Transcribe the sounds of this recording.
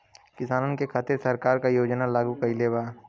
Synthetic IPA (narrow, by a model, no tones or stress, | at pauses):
kɪsaːnnkekʰaːt̪ɪɾsɐɾkaːɾkajoːd͡ʒnalaːɡukɐileːbaː